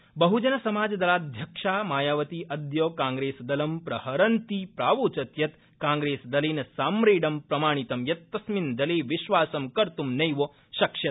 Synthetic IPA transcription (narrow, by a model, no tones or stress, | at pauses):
bɐɦud͡ʒɐnɐsɐmaːd͡ʒɐd̪ɐlaːd̪ʱjɐkʂaːmaːjaːʋɐt̪iʔɐd̪joːkaːŋɡɾeːsɐd̪ɐlɐmpɾɐhɐɾɐnt̪ipɾaːʋoːt͡ʃɐt̪jɐt̪ | kaːŋɡɾeːsɐd̪ɐleːnɐsaːmɾeːɖɐmpɾɐmaːɳ̃it̪ɐmjɐt̪ːɐsmind̪ɐleːʋiʃʋaːsɐmkɐɾt̪umnɐjʋoː | ʃɐkʃjɐt̪̚